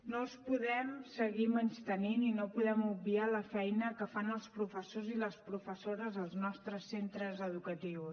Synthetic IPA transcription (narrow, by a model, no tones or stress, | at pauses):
nospuðɛmsəɣimənst̪ənininopuðɛmubbialəfɛjnəkəfanəlˠspɾufəsoziləspɾufəsoɾəzəlˠznɔst̪ɾəsːent̪ɾəzəðukət̪iws